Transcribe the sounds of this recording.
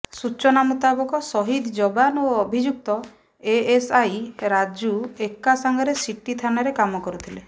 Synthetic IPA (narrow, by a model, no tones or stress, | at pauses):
sut͡ʃɔnamut̪abɔkɔsɔɦid̪d͡ʒɔbanoɔbʱid͡ʒuk̚t̪ɔ | eesajɾad͡ʒuekːasaŋɡʱɔɾesiʈːit̪ʰanaɾekamɔkɔɾut̪ʰile